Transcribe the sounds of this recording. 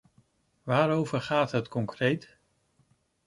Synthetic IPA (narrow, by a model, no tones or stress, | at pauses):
ʋaːɾowvəɹχaːtɦətkɔŋkrejt